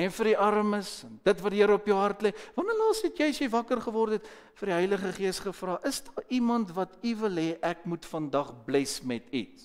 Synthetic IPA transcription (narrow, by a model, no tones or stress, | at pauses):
ɛnfərdiʔɐɾməsɛnd̥ətvɐtdiəɾəɔpjəwɦɐrtlɛvɐnərlɑːsɛtjɛjsjəjvɐkərχəvɔrtɛt | fərdiɦœjləχəχiəsχəfrɑːʔəsdɑːʔimɐntvɐtivəlɦɛːʔækmutfɐndɐχblɛsmɛtḭts